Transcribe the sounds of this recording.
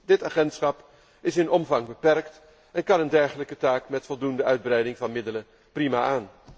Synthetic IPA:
dɪtaːχɛntsχɑp | ɪsɪnɔmvɑŋbəpɛrkt | ɛnkɑnəndɛɹχələkətaːkmɛtfɔlˠdundəœɥd̚brɛjdɪŋvɑnmɪdələ | primaːʔaːn

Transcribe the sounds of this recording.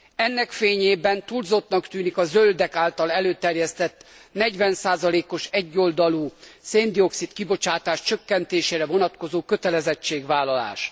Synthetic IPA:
ɛnːɛkfeːɲeːbɛnt̪uːlzo̞t̪nɒkt̪yːnikɒzøld̪ɛkaːlt̪ɒlɛløːt̪ɛrjɛst̪ɛt̪ːnɛɟʋɛnsaːzɒleːko̞ʃɛɟːo̞ld̪ɒluːseːnd̪io̞ksit̪kibo̞t͡ʃaːt̪aːʃt͡ʃøkːɛnt̪eːʃeːɾɛvo̞nɒt̪ko̞zoːkøt̪ɛlɛzɛt͡ʃːeːɡʋaːlɒla̰ːʃ

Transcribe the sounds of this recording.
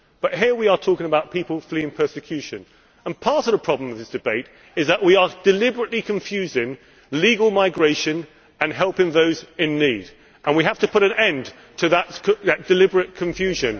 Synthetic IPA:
b̥ʌʔ̚ɦɪəɹwiə˞tʰɔˑkɪ̃ŋəbaʊt̚pʰipəl̩ˠfliɨ̃npʰɜ˞sɨkʰj̥ʉʃɨ̃n | ə̃npʰɑɹɾʌvðəpʰɹ̥ɑblə̃mʌvðɪsd̥ɨbeɪɾ | ɨzðəʔwiəd̥ɨlɪbəɹɨʔlikʰɨ̃ɱfjʉzɪ̃ŋ | liɡəl̩ˠmaɪɡɹeɪʃɨ̃n | ɨ̃nɦɛlˠpɪ̃ŋðoʊzɪ̃nːiːd | ʔə̃nwiɦaftəpʰʊɾɨ̃nɛ̃n | tʰɨðətðɨt̚d̥ɨlɪbəɹɨt̚kʰɨ̃ɱfjʉʒɨ̃n

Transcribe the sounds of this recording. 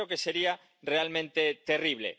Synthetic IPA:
okeseɾia | realmẽnt̪et̪eriβ̞lḛ

